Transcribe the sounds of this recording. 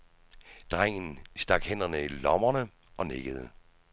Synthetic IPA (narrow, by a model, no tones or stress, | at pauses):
d̥ʁaŋ̰n̩sd̥ɑ̈ɡ̥hen̰ɐnəilɒmɐnə | ʔɒ̽neɡ̥əð̞̩ˠə